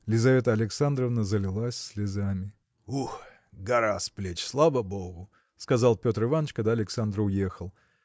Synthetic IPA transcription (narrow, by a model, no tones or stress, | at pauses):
lʲɪzɐvʲe̞t̪əɐlʲɪksand̪rəvnəzəlʲɪlˠasʲsʲlʲɪzamʲɪ | ux | ɡɐɾasplʲet͡ɕslˠavəboɡʊ | skɐzɑlˠpʲo̞t̪ɾɨvanət͡ɕkaɡd̪aɐlʲɪksand̪rʊjexəlˠ